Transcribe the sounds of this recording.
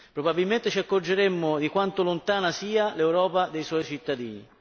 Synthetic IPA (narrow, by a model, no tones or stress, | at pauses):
pɾobabilment̪et͡ʃiakːord͡ʒeɾemːʊd̪ikwant̪olont̪aːnasiːalewɾɔːpad̪ejswɔjt͡ʃit̪ːad̪ḭːnḭ